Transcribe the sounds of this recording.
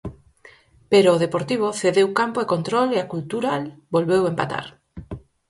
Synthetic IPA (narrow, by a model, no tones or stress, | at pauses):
peɾoːðepoɾt̪iβ̞oθeðewkampoekont̪ɾoleakult̪uɾalbolβewempa̰t̪a̰ɾ